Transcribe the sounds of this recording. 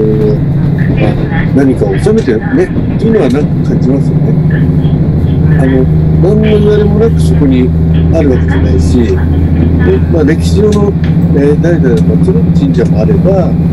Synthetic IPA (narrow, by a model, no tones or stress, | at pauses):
ma | naɲ̟ikaosame̞t̪e̞ | ne̞ | t̪ːeiɯ̟no̞β̞anãŋkakãɲ̟d͡ʑimasɨjo̞ne̞ | ano̞mãnːoiβaɾemo̞nakɯ̟so̞ko̞ɲ̟i | aɾɯ̟βake̞d͡ʑanaiɕi | d̪emaːd̪ekʲiʑo̞ːno̞ | eːd̪ait̪ad̪at̪oat͡ɕid̪od͡ʑĩɲ̟d͡ʑamo̞aɾe̞ba